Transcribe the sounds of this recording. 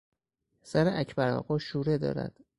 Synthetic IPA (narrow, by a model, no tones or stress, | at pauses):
sæɾeʔæcʰbæɾɒ̰ɣɒːʃuːɾed̪ɒ̰ːɾæ̰d̪̥